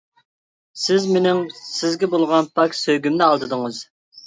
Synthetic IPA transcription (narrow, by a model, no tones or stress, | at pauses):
sɪzmenɪŋsɪzɡʲɛbolˠʁɑnpʰɑkʲsøɡʲymnɪɑlˠd̪ɨd̪ɨŋɨz̥